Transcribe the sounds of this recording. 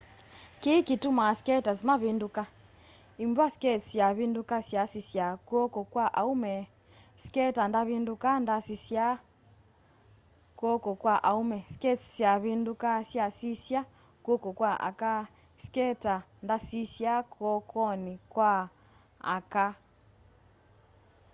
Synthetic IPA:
kikitumaskɛtazimaβinduka | imbwasi̥kɛt͡sisjaβindukasjasisjakwɔkɔkwaʔaumɛ | si̥kɛtandaβindukandasisja | kɔkɔkwaʔaumɛsi̥kɛt͡si̥sjaβindukasjasisja | kwɔkɔkwaʔa̰ka | si̥kɛta | ndasisjakʰɔkʰɔnikwa | a̰ka

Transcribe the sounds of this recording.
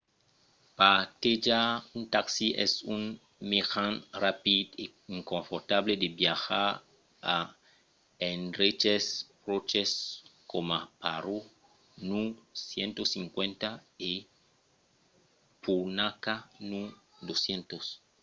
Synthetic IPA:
pat̪ed͡ʒaunt̪aksiʔɛ̰sun | mexãnrapid̪e | iŋkõɱfoɾt̪abled̪ebjaxaɾ | a | enret͡ʃes | rot͡ʃeskomapaɾo | nusjent̪osiŋkwẽnt̪ae | punakanu | d̪osjent̪os

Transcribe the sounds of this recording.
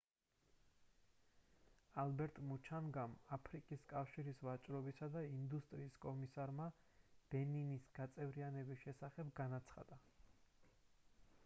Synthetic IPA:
albɛɾt̪ʼmut͡ʃʰanɡamapʰɾikʼiskʼafʃiɾisvat͡ʃʼɾɔbisad̪aind̪ust̪ʼɾiːskʼɔmisaɾma | b̥ɛninisɡ̥at̪sʼɛvɾianɛbisʃɛsaχɛbɡanat̪sʰχa̰d̪̥a

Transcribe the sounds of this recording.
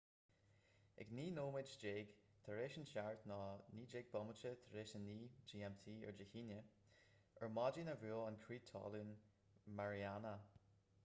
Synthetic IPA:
ɛ̰ɡniːnoːmɪd͡ʒd͡ʒeːɡ̥ | t̪ʰəɹeːʃənʃaɹt̪nɑːniːd͡ʒeːɡ̚bɔmət͡ʃət̪ʰəɹeːʃənːiːd͡ʒiːɛmt̪ʰiːə̰ɹd͡ʒəhiːnjə | əɹmɑd͡ʒinəvyːlənkʰɹiːt̪ʰːɑ̰lun | maɹianə

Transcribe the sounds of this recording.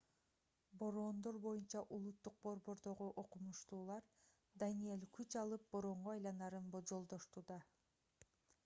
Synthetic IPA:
bo̞ɾo̞ːnd̪o̞ɾbo̞junt͡ʃɑʔulˠut̪ːuq̚bo̞ɾbo̞ɾd̪o̞ʁuʔo̞qumuʃt̪uːlˠɑɾ | d̪anije̞lʲkyt͡ʃɑlˠɯp̚bo̞ɾo̞ɴʁoɑjlˠɑnɑɾɯnbod͡ʒo̞lˠd̪o̞ʃt̪uːd̪ɑ

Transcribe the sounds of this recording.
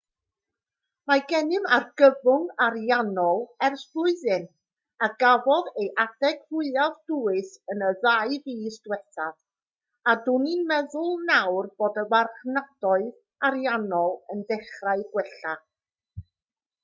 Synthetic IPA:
maɡɛnɪmarɡəvʊŋaɾjanɔlˠɛrsbʊɨðɨn | aɡavɔðejʔad̥ɛɡ̥vʊɨavd̥ʊɨsənəðaɨviːsd̥wɛθað̥ | adʊninmɛðʊlˠnawrb̥oːdəwarχnad̥ɔɨð | aɾjanɔlˠəndɛχraɨɡwɛɬa

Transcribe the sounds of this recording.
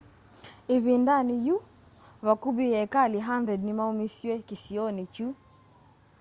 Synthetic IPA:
iβindaniju | βakubijɛkaliɦandɾɛdnimaumisiwɛkisiɔnit͡ʃu

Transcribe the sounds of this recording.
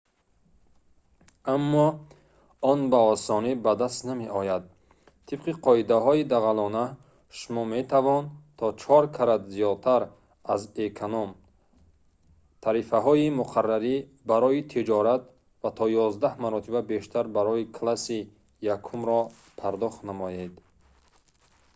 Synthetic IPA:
amːɔ | ɔnbaɔsɔnibad̪ast̪nameʔɔjad̪̚ | t̪ʰib̥qiqʰɔid̪aɦɔid̪aɣalɔna | ʃumɔme̞t̪ʰavɔnt̪ʰɔt͡ʃʰɔɾkʰaɾad̪zijɔd̪̚t̪ʰaɾ | azekʰanɔm | t̪ʰaɾifaɦɔimuqʰarːaɾi | baɾɔit̪ʰid͡ʒɔɾat̪ | vat̪ʰɔjɔzd̪ahmaɾɔt̪ʰibabe̞ʃt̪ʰaɾbaɾɔikʰlasi | jakʰumɾɔ | pʰaɾd̪ɔχt̪namɔjed̪

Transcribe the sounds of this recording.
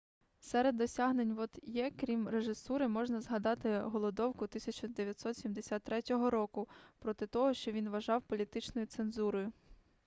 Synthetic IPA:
sɛɾed̪ːɔsʲaɦnenʲʋɔt̪jɛkɾʲimreʒɪsuɾɪmɔʒnɐzɦɐd̪ɑt̪ɪɦɔlˠɔd̪ɔwkʊt̪ɪsʲɐt͡ʃɔd̪eʋjɐt̪sɔt̪sʲimd̪esʲat̪ːɾɛtʲɔɦɔɾɔkʊpɾɔt̪ɪt̪ɔɦɔʃt͡ʃɔʋʲinʋɐʒɑwpɔlʲit̪ɪt͡ʃnɔjʊt̪senzuɾɔjʊ

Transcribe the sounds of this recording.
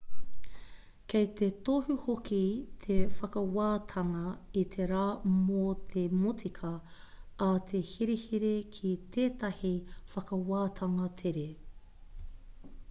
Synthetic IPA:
kejt̪et̪ohuhokit̪ʰefɐkɐwaːt̪ʰɐŋɐit̪ʰeɾaːmot̪ʰemotʰikʰɐ | at̪ʰe̞hiɾehiɾekʰit̪ʰeːt̪ɐhifɐkɐwaːt̪ʰɐŋɐt̪ʰeɾe

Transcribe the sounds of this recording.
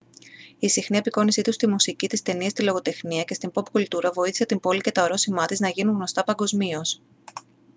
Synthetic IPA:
isixnie̞piko̞nisit̪ust̪imusicit̪ist̪e̞niɐst̪ilo̞ɣo̞t̪e̞xniɐce̞st̪impo̞pkult̪uɾɐvo̞iθi̥se̞t̪imbo̞lice̞t̪ɐoɾo̞simɐt̪iznɐʝinuŋɣno̞st̪ɐpɐŋɡo̞zmio̞s

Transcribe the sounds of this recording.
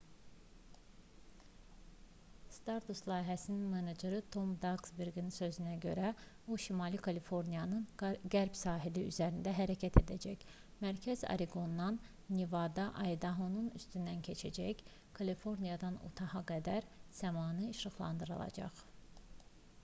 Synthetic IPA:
st̪ɑɾt̪ʰuslˠɑːɦæsininmened͡ʒeɾɯt̪ʰo̞md̪ɑɡsbiɾɡinisø̞zynæɟø̞ɾæbuʃimɑlˠikʰɑlifo̞ɾnijɑnɯnɡæɾbsɑːɦiliy̰zæɾind̪æɦæɾæcʰæt̪ʰe̞d̪æd͡ʒæç | mæɾcʰæzɑ̰ɾiɡo̞nːɑnː | ivɑd̪ɑʔɑjd̪ɑɦonuny̰st̪ynd̪æncʰe̞t͡ʃʰæd͡ʒæç | kʰɑlifo̞ɾnijɑd̪ɑnṵt̪ʰɑhɑɡæd̪æɾz̥æmɑːnɯːʃɾɯχlˠɑ̰nd̪ɯɾɯ̰lˠɑ̰d͡ʒɑ̰χ

